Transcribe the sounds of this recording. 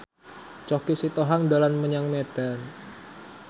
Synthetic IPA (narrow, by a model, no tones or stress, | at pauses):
t͡ʃɔkisit̪oɦaŋdalanməɲaŋmed̥an